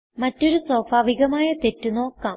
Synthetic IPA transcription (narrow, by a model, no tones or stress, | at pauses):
mɐtːo̞ɾuso̞ːfaːʋiɣɐmaːjɐt̪e̞tːuno̞ːkːaːm